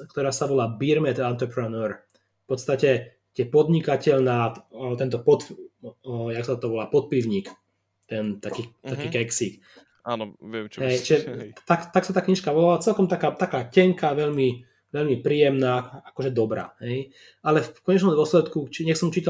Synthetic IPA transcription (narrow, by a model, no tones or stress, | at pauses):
kt̪ɔɾaːsaʋɔlaːbiɾmɛt̪ant̪ɾɛpɾɛnøɾ | fpɔt̪st̪acɛ | t̪ɪɛpɔd̪ɲikacɛʎnaːt̪ɛnt̪ɔpɔt̪ | jaksat̪t̪ɔʋɔlaːpɔt̪̚piʊɲiːk | t̪ɛnt̪akiːakiːkɛksik | anɛɦɛjt͡ʃʒɛt̪akt̪aksat̪aːkɲiːʃkaʋɔlalat͡sɛlkɔmt̪akaːt̪akaːcɛŋkaʋɛʎmi | ʋɛʎmipɾiːjɛmnaːakɔʒɛd̪ɔbɾa̰ːɦɛj | ʔalɛfkɔɲɛt͡ʃnɔmd̪ʊɔslɛt̪kut͡ʃiɲɛxsɔmt͡ʃiːt̪a